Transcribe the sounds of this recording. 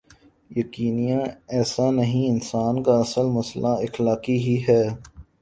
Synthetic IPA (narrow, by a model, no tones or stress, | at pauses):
jɐkiːnijãɛːsanɐɦĩɪnsaːnkaɐsəlmɐslʔaɪxlaːkiɦiɦɛː